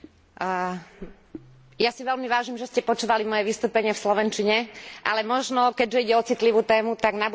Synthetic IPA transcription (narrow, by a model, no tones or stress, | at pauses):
jasiʋɛlmiʋaːʒimʒɛscɛpɔt͡ʃuːʋalimɔjɛʋist̪uːpɛɲɪɛfslɔʋɛnt͡ʃiɲɛʔa̰lɛmɔʒnɔkɛɟʒɛiɟɛɔt͡sit̪liʋuːt̪ɛːmut̪aɡnabu